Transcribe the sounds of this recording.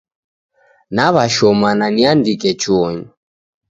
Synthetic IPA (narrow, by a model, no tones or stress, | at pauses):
naβaʃɔmananiandikʼɛt͡ʃuɔɲ